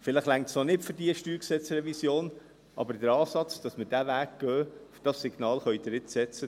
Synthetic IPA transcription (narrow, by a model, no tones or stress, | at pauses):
fɪlɪχlæŋtsonɪtfəɾdiəʃtyːksɛt͡srɛvisjoːn | ʔɑ̰bəɾd̥əɾɑːsɑt͡sd̥ɑsməd̥ævæːk̚ɡ̥œːfd̥ɑsːiɡnɑːlχœʏdɾɪtsɛt͡sə